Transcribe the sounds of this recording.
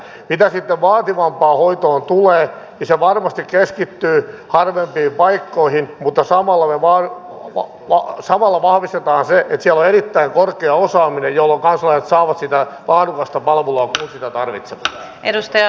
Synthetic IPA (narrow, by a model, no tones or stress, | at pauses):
mit̪æsit̪ːeʋʋɑːt̪iʋɑmpɑːhoit̪oːnt̪uleː | niseʋɑrmɑst̪ikkeskit̪ːyːhɑrʋempiːmpɑikːoihinmut̪ːɑsɑmɑlːɑmeʋɑː | ʋɑsɑmɑlːɑʋɑhʋist̪et̪ɑːnseʔet̪siælːoerit̪ːæiŋkorkeɑosɑːminejjolːoŋkɑnsɑlɑjset̪sɑːʋɑt̪sit̪ælɑːdukɑst̪ɑpɑlʋuloɑkunsit̪æt̪ɑrʋit̪seʋɑ̥t̪ːɑ̥ | edust̪ɑjɑ